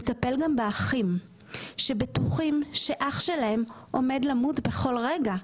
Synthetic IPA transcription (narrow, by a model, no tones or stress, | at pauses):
tape̞lɡambeaχim | ʃe̞betuχimʃe̞ʔaχʃe̞lae̞m | ʔo̞me̞dlamutbe̞χo̞lʁeɡa